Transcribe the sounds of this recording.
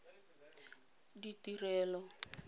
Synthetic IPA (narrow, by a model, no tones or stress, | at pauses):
ditirɛːlɔ